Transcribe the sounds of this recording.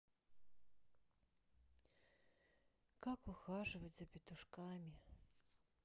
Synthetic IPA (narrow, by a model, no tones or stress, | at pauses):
kakuxaʐɨvɐzɐpʲit̪uʂkamʲi